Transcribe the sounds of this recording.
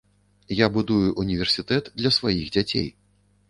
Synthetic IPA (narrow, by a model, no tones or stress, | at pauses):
jabud̪ujuʔunʲivʲɛrsʲit̪ɛt̪d̪lʲɐsvajiɣd͡zʲat͡sʲḛj